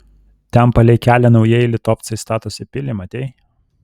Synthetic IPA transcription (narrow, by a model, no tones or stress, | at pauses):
t̪ʲɛmpɐlʲɛɪkʲæːlʲɛnɒʊjɛjlʲɪt̪ɔːp̚t̪sɐɪst̪ɑːt̪oːsʲɛpʲɪlʲɪmɐt̪ʲɛɪ